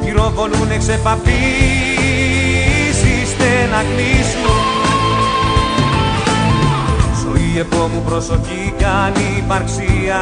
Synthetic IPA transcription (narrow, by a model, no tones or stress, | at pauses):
iɾo̞koluneksepɐpi | sist̪enɐklisnun | soie̞po̞mupɾosocicɐnipɐɾksiɐ